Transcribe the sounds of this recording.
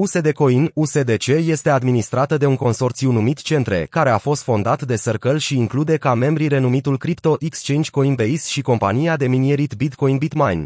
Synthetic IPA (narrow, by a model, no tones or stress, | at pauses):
use̞d̪e̞ko̞inuse̞d̪e̞t͡ʃe̞je̞st̪e̞ad̪minist̪ɾat̪əd̪e̞uŋko̞nso̞rt̪sjunumit̪t͡ʃe̞nt̪ɾe̞̰kaɾe̞afo̞st̪fo̞nd̪at̪d̪e̞sərkəlʃiːŋklud̪e̞kame̞mbɾiɾe̞numit̪ulkɾipt̪o̞ʔikst͡ʃent͡ʃʲko̞inbeisʃiko̞mpa̰nijad̪e̞minieɾit̪bit̪ko̞inbit̪majn